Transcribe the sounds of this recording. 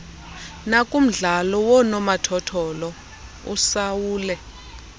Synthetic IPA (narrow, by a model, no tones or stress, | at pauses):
nakʼum̩ɮalɔwɔnɔmatʰɔtʰɔlɔ | ṵsawuːlɛ